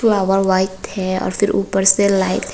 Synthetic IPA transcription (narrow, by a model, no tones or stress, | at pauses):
laʋəɾʋajɪt̪hɛɔ̰ːɾfʰɪɾṵːpəɾselaɪt̪